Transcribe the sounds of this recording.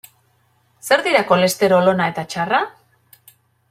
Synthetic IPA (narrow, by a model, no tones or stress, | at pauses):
se̞ɾðiɾako̞le̞st̪e̞ɾo̞lo̞nae̞t̪at͡ʃara